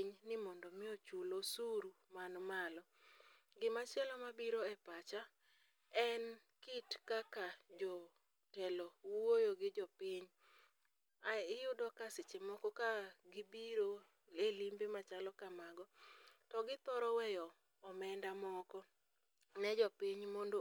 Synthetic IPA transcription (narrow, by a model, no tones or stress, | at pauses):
ɲnɪmɔndɔmɪot͡ʃulosuɾumanmalɔ | ɡɪmat͡ʃjɛlɔmabiɾoɛpat͡ʃa | ɛn | kitkakad͡ʒɔ | tɛlɔwwojoɡɪd͡ʒɔpɪɲ | aɪjʊdɔkasɪt͡ʃɪmɔkɔkaɡɪbiɾo | elimbemat͡ʃalɔkamaɡɔtɔɡɪt̪ɔɾɔwɛjɔː | mɛndamɔkɔ | nɛd͡ʒɔpiɲmɔndo